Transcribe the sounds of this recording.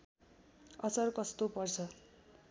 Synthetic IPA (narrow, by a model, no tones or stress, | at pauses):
ʌt͡sʌrkʌst̪opʌrt͡sʰʌ